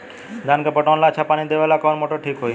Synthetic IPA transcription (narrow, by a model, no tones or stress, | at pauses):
d̪aːnkəpəʈɔ̃nlat͡ʃʰapaːñid̪eʋalakɔnmoʈoʈʰiːkɦoj